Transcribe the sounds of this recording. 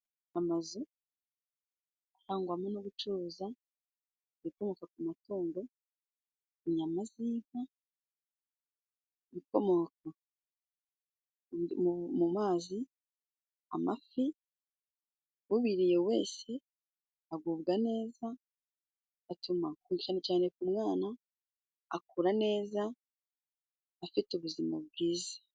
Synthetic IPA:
amazu | ahaːŋɡwamonoβut͡ʃuɾuza | βiko̞mo̞kakumatuːndo̞ | iɲamaziːβa | βiko̞moka | mumaːzi | a̰mafi | βuβiɾijewe̞ːse̞ | aɡuːβɡane̞ːza | tumakuŋɡit͡ʃane̞caːne̞kumŋaːnaː | kuɾane̞ːza | fituβuzimab̚ɡiːzḁ

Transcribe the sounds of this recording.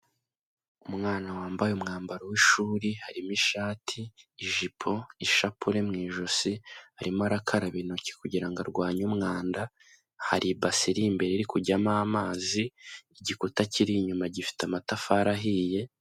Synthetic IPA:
umŋaːnawaːmbajumŋaːmbaɾowiʃuːɾihaɾimiʃaːtʰiːʒipʰo̞iʃapuɾe̞mŋiːʒosihaɾimuaɾakʰaɾaβinoci̥kuɟiɾaŋɡaɾɡwaːɲumŋaːnda | ha̰ɾʔibasiɾimbe̞ɾeɾikuɟamamaːziːɟikutaciɾiɲumaɟifi̥tamatafaɾaɦije̞

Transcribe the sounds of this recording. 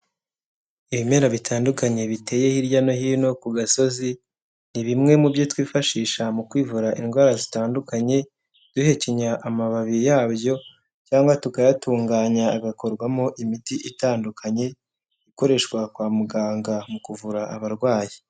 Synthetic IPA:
iβime̞ːɾaβitʰaːndukaɲe̞βite̞ːje̞hiɾɟano̞hiːno̞kuɡaso̞zi | niβimŋe̞mubjotwiːfaʃiːʃamukwiːvuɾaʔinɡwaːɾazitaːndukaɲe̞ | d̥uhe̞ciɲaʔamaβaβijaːbjo̞ | caːŋɡwatukajatuːŋɡaːɲaːɡako̞ɾɡwamoʔimitiʔitaːndukʰaɲe̞ | iko̞ɾe̞ʃkwakwaːmuɡaːŋɡamukuvuɾaʔaβaɾɡwaːji

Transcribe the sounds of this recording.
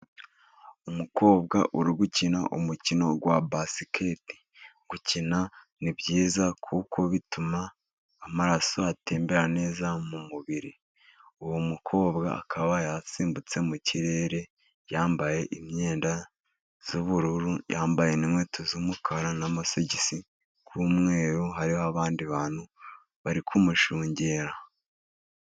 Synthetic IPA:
umuko̞ːbɡa̰ʔuɾiɡucina̰ʔṵmucino̞ɡwabasikʰeti̥ | ɡ̥ucina | nibɟiːzakʰuko̞βitumaː | maɾaso̞ate̞ːmbe̞ɾane̞ːzamumuβiɾi | uwomukʰo̞ːbɡa̰a̰kʰaβajasiːmbut͡se̞muciɾe̞ːɾe̞ | jaːmbaje̞ʔimɲe̞ːnda | z̥uβuɾuɾujaːmbaje̞nimwetʰuzumukʰaɾanamaseɟisi | kʰuːmŋe̞ːɾoɦaɾioaβaːndiβaːn̥hu | βaɾikʰumuʃuːɲɟe̞ɾa

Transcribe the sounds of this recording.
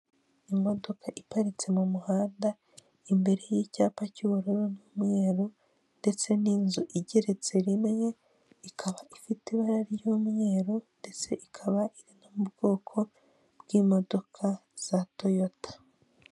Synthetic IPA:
imo̞do̞kʰaʔipaɾit͡se̞mumuhaːnda | imbe̞ɾe̞jiːcaːpaciβuɾoɾonumŋe̞ːɾo | nde̞t͡se̞niːnzuʔiɟe̞ɾe̞t͡se̞ɾimŋe̞ | ikʰaβaʔifitiβaɾaɾjumŋe̞ːɾonde̞t͡se̞ʔikʰaβaʔiɾinamubɡ̥o̞ːkʰo̞ | bɡ̥iːmo̞do̞kʰaz̥ato̞jo̞tʰḁ

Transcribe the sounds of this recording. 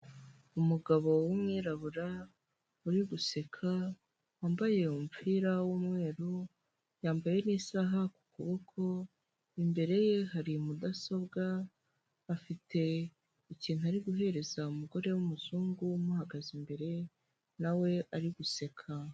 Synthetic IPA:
umuɡaβo̞wumŋiːɾaβuɾa | uɾiɡuse̞kʰa | waːmbaje̞umfiɾawumŋe̞ːɾo | jaːmbaje̞nisaɦaku̥kuβokʰo̞ | imbe̞ɾe̞je̞haɾimudaso̞bɡaː | fitʰe̞ | iciːn̥huaɾiɡuɦe̞ɾe̞zaumuɡo̞ɾe̞wumuzuːŋɡumuhaɡazimbe̞ɾe̞ | nawe̞ʔaɾiɡuse̞kʰa

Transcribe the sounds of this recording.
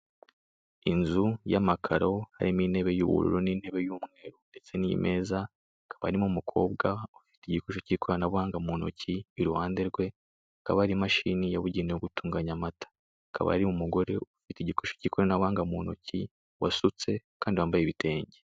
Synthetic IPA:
inzujamakʰaɾo̞ha̰ɾimin̥he̞βe̞jṵːβṵɾṵɾoniːn̥he̞βe̞juːmŋe̞ːɾunde̞t͡se̞nijḭmʔe̞ːza | akʰḁβahaɾimumukʰo̞̰ːb̚ɡaofi̥teiɟikoʃociːkʰoɾanaβuhaːŋɡamuno̰ciːɾuhaːnde̞ɾɡwe̞ | akaβahaɾimaʃiːnijaβuɟiːneoɡutuːŋɡaɲamatḁ | aka̰βa̰haɾimumuɡo̞ɾe̞ofiteiɟikoʃociːkoɾanaβuhaːŋɡamuːno̰ci | wasut͡se̞kaːndiwaːmbajeβite̞ːɲɟe

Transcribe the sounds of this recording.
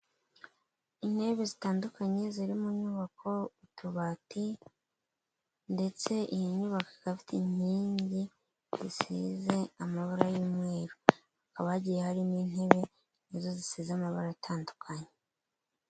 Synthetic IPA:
in̥he̞βezitaːndukaɲe̞ziɾimuɲuːβakʰo̞utuβati | nde̞t͡se̞ʔijiɲuβakikafi̥tiɲ̥iːɲɟi | zisḭze̞amaβaɾajiːmwe̞ːɾu | akaβaaɟijehaɾiniːn̥he̞βe̞ | nezo̞zisiːzeamaβaɾaatʰaːndukʰaɲe

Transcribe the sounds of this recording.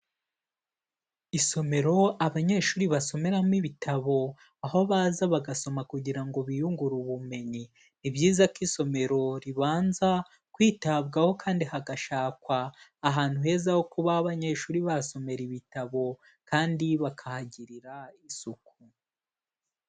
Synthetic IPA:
iso̞me̞ɾo̞aβaɲe̞ʃuːɾiβaso̞me̞ɾamiβitʰaβo̞ | aho̞βaːzaβaɡaso̞makuɟiɾaŋɡo̞βijuŋɡuɾuβume̞ɲi | nibjiːzakiso̞me̞ɾo̞ɾiβaːnza | kwiːtabɡaho̞kʰaːndihaɡaʃaːkwaːɦaːn̥huhe̞ːzaho̞kuβaːβaɲe̞ʃuːɾiβaso̞me̞ɾiβitaβo̞ | kaːndiβakʰahaɟiɾiɾaisuku

